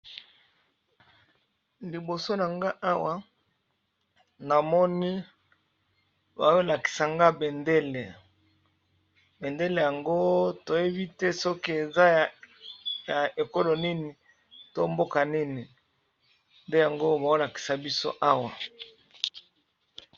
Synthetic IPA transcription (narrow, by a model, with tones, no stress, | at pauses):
li˨bo˨so˦n˨a˨ŋɡa˦ʔa˦wa˦ | na˨mɔ˦ni˦ | ba˨jo˦la˨ki̥˨sa˨ŋɡa˦be˨nde˦le˨ | be˨nde˦le˨ja˨ŋɡo˦to˨je˦bi˦tɛ˦sɔ˦ki˦e˨za˦ | ja˨e˨ko˦lo˨ni˦ni˨ | to˦mbo˦ka˨ni˦ni˨ | nde˦ja˨ŋɡo˦˨ba˨o˦la˨ki̥˨sa˨bi˦so̰˦ʔa˦wa˨